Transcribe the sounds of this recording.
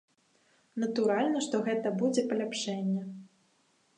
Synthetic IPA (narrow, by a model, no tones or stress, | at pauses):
nɐt̪uɾalʲnɐʂt̪ɔɣɛt̪ɐbud͡zʲɛpɐlʲapʂɛnʲːɛ